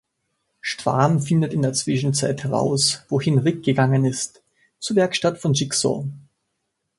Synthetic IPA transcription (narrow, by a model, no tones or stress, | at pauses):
ʃtv̥a̰ːnfɪndətɪndeːɐt͡sv̥ɪʃn̩t͡saɪthɛʁa̰ʊsv̥oːhɪnʁɪk̚ɡ̥əɡaŋənɪst | t͡suːɐvɛɐkʃtatfɔnʒiksɔ̰